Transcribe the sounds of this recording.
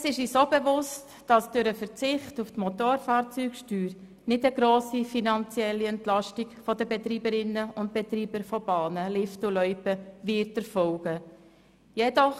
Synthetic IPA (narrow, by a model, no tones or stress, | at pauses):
əsɪʃisoːbɛvʊst | d̥ɑsd̥ʊɾəfəɾt͡sɪχtuftmɔtoːɾfɑːɾt͡syːkʃtyːɾ | nɪtəɡɾoːsifinɑnt͡sjɛlːiɛntlɑʃtiɡfɔdəbɛt̪ɾiːbəɾɪnəʊnt̚b̥ɛt̪ɾiːbəɾfɔb̥ɑːnəlɪftʊlœʏpəvɪːɾtəɾfɔlɡ̥ə | jɛdɔχ